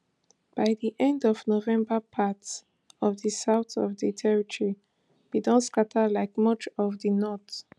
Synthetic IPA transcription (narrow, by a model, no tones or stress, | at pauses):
b̥aɪðiʔɛ̃ndɔvnovɛ̃mbəpʰats | ɔvðəsaʊθɔvðətʰɛɹitʰɔɹi | b̥idɔ̃nskatʰəlaɪkmʌt͡ʃɔvðənɔθ